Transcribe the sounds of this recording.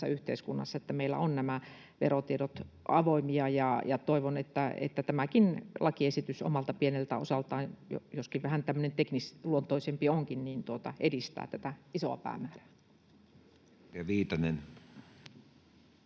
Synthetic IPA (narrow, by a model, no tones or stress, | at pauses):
æ̰yht̪ḛiskunːɑ̰sːɑet̪ːæmeilːæ̰onnæmæ | ʋḛrot̪ieɾot̪ | ɑʋoimiɑjɑjɑt̪oiʋonet̪ːæḛt̪ːæt̪æmækinlʔɑkiesit̪yso̰mɑlt̪ɑpienelt̪æosɑlt̪ɑːnjo̰joskiʋʋæhænt̪æmːø̆nent̪eknisluont̪oisempioŋkinniːnt̪uot̪ɑ̰ʔedist̪æ̰ːt̪æt̪æisoɑ̰pæ̰ːmæːræ̥ː | ɑʋiːt̪ɑnen